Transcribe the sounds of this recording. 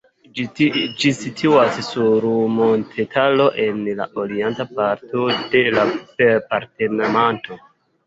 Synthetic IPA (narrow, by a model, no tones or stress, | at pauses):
d͡ʒisitʰuassuɾmontʰetʰalo̞ʔe̞nla̰ʔoɾientapaɾto̞de̞lapepaɾte̞namanto̞